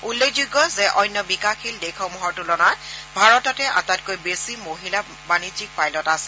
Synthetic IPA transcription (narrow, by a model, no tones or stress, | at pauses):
ulːekzuɡːɔzɛʔɔjnːɔbikaxildekʰɔmuɦɔɹtulɔnatbʱaɹɔtɔtɛʔa̰tat̚kojbesimoɦila | banid͡ʒik̚pajlɔtasɛ